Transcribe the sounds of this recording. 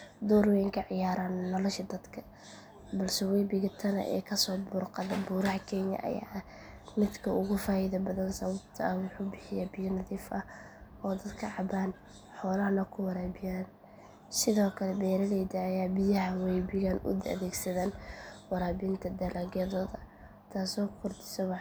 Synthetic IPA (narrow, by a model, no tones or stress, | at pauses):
d̪uːɾwɪŋkʰɐʕɪjaːɾaːnːɔlɔʃɐd̪ɐd̪kʰɐ | bɐlsɛwɛjbɪɣɐt̪ʰɐnɐ̰ʔɛ̰ːkʰɐsɔːbʊrqɑðɐbuːɾɐɦɐkʰɛnɐ̰ʔɐ̰ja̰ːʔɐ | mɪd̪kʰɐʔʊɣʊfaːjɪðɐbɐðɐnsɐβɐb̚t̪ʰɐɐwʊħuːbɪħɪjɛbɪjɐnɐðiːfɐ | ɔːd̪ɐd̪kʰɐʕɑbaːn | ħɔːlɐɦɐlɐkʰʊwɑɾaːbɪjaːn | sɪðɔːkʰɐlɛbɛːɾɐlɛjd̪ɐɐjaːbɪjɐɦɐwɛjbɪɣɐnʔʊ̰d̪ɐ̰ðɛːɡsɐðaːnwɑɾaːbɪnt̪ʰɐd̪ɐlɐɡɐðɔðɐ | t̪ʰaːsɔːkʰʊrd̪ɪ̥sɛwɑ